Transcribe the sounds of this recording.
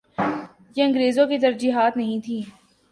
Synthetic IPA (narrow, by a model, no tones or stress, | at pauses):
jeɐ̃ŋɡɾeːzõkit̪ɐɾd͡ʒiːɦaːt̪nɐɦĩt̪ʰiː